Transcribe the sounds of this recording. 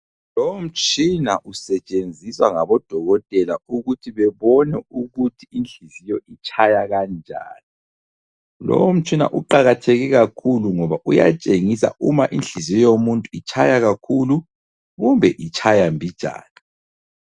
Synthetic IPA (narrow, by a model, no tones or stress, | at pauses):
lowom̩t͡ʃʼinaʔusɛt͡ʃʼend͡zʱiswaŋaβɔd̥ʱɔɣɔtʼɛlauɣutʰiβɛβɔnɛuɣutʰiind͡ɮʱizijɔʔit͡ʃʰajaɣand͡ʒʱa̰ːni | lɔ̰wom̩t͡ʃʼina̰ʔuǃaɣatʰeɣɛɣakʰuluŋɔβaʔuja̰t͡ʃʼeŋisa̰umaʔind͡ɮʱizijɔjomuntʼuit͡ʃʰajaɣakʰulu | ɣumbʱɛʔit͡ʃʼʰajambʱid̥ʒ̥ʱa̰ːni